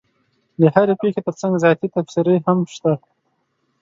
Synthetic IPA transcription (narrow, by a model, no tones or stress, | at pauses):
d̪əhaɾepexet̪əɾt͡saŋɡzɑt̪it̪afsiɾəhamʃt̪a